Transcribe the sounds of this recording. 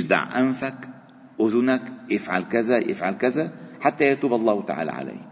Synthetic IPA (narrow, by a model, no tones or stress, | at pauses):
ʃd̪a̰ʕʔæmfæk | ʔʊzʊnækjɪfʕa̰lkæzæjʔɪ̰fʕalkæzæħat̪ːæjæt̪uːbɑlˤːɑːht̪a̰ʕa̰ːlæ̰ʕa̰læ̰jk